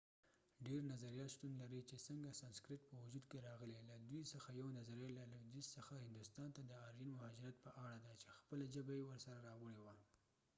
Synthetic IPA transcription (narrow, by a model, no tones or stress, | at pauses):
ɖeɾnazaɾijɑt̪ʃt̪unlaɾit͡ʃesəŋɡasɑnskɾɪʈ̚pəwʊd͡ʒud̪keɾɑɣəlelad̪wisəxajawnazaɾajlalad̪issəxahɪnd̪ʊst̪ɑnt̪ad̪əɑɾjinmʊhɑd͡ʒɾat̪̚pəʔaɽad̪at͡ʃexpəlaʒəbajewəɾsaɾaɾɑwəɽewa